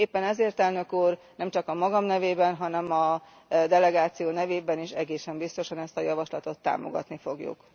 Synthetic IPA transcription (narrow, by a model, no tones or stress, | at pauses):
eːpːɛnɛzeːrt̪ɛlnø̞kuːrnɛmt͡ʃɒkɒmɒɡɒmnɛveːbɛnɦɒnɛmɒ | d̪ɛlɛɡaːt̪sijoːnɛveːbɛniʃɛɡeːsɛmbist̪o̞ʃɒnɛst̪ɒjɒvɒʃlɒt̪o̞t̪ːa̰ːmo̞̰ɡɒ̰t̪nifo̞ɡjṵk